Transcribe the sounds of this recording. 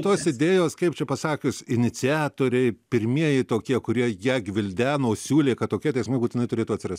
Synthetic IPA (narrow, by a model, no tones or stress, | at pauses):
t̪oːsɪd̪ʲeːjoːskɐɪpt͡ʃʲɛpɐsɑːkʲʊsɪnʲɪtt͡ssʲɪæːt̪oːɾʲɛɪpʲɪɾʲmʲiɛjɪɪt̪oːkʲiɛkʊɾʲiɛjiɛɡʲʋʲɪlʲd̪ʲæːnoːsʲuːlʲeːkɐt̪toːkʲiɛt̪ɛɪsmɐɪbuːt̪ʲɪnɐɪt̪ʊɾʲeːt̪uːɐt̪ʲsʲɪrɐstʲ